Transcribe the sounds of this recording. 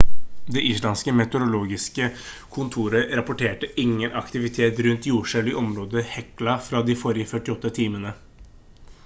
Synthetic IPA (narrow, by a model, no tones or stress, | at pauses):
d̪ɛʔɪslɑnskəmɛt̪əɾʊloːɡɪskəkʰʊnt̪ʰuːɾəɾɑpʊʈʰeːʈəʔɪŋːənʔɑkt̪ɪʋɪt̪ʰeːt̪ɾʉnt̪juːʂɛlɪʔɔmɾoːd̪əhɛklɑfɾɑd̪ɪfɔɾɪəfœʈːɪɔt̪ːət̪ʰiːmənə